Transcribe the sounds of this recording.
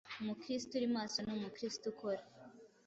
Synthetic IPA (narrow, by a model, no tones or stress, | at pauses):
mukɾistuɾimaːsonomukɾistukʰoɾa